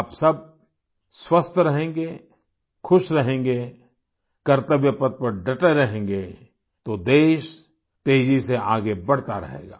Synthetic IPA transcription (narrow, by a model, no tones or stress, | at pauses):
psɐb̚ | swɐst̪ʰɾɐɦẽːŋɡeː | kʰʊʃɾɐɦẽːŋɡeː | kɐɾt̪əbjəpət̪̚pɐɾɖɐʈəɾɐɦẽːŋɡeː | t̪od̪eːʃ | t̪eːd͡ʒiseaːɡebɐɽ̤t̪aɾɐ̰ɦḛːɡa̰ː